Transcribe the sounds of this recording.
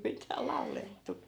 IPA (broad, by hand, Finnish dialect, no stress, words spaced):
mitæː lɑu̞letːu